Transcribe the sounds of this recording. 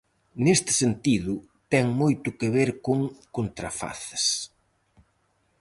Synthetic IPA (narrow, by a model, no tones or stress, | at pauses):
nest̪ɪ̥sent̪iðʊ | t̪ɛŋmojt̪ʊkeβeɾkoŋkont̪ɾa̰fa̰θɐ̥s